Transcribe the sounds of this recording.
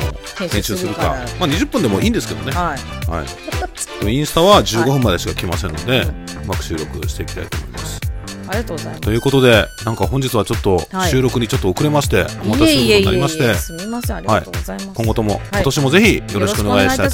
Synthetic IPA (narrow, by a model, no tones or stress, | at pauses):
õ̰ | hẽ̞ɕɨːsɨɾɯ̟ka̰maːɲ̟iʑɨpːɯ̃nd̪e̞mo̞ʔiːnd̪e̞sɨ̥ke̞d̪oneha̰ḭkoĩɰ̃sɨ̥t̪aβad͡ʑɨːɡo̞ɸɯ̟̃mːad̪e̞ɕi̥kakʲimasẽnːo̞d̪e̞ | ɯmakɯ̟ɕɨːɾo̞kɯ̟̰ɕi̥t̪e̞ikʲi̥t̪a̰it̪o̰ːmo̞̰ḭma̰sɨ̥ | t̪o̞jɯ̟ːko̞t̪o̞d̪e̞nãŋkaɦõ̞ɲ̟d͡ʑit͡sɨβat͡ɕo̞t̪ːo̞ɕɨːɾo̞kɯ̟ɲ̟it͡ɕo̞t̪ːookɯ̟ɾe̞maɕi̥t̪e̞mat̪aɕinokonaɾʲimaɕi̥t̪e̞ | haikoŋɡo̞t̪o̞mo̞̰kot̪oɕimo̞ze̞çʲijo̞ɾo̞ɕi̥kɯoneɡaiit̪a